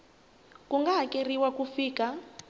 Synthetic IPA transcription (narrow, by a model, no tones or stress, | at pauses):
kuŋɡakʼeriwakufiːka